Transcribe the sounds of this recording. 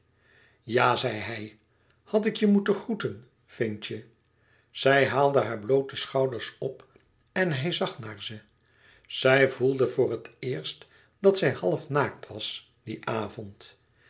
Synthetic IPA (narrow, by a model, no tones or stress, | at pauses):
jaːzɛjɦɛj | hɑtɪkjəmutəχrutən | fɪnt͡ʃə | z̥ɛjɦaːlˠdəɦaːɹblowtəsχɑwdəɹsɔp | ɛnɦɛjzɑχnaːɹzə | z̥ɛjvulˠdəvʊːrətʰɪːɹst | dɑtsɛjhɑlˠfnaːk̚tʋɑs | d̥iʔaːvɔnt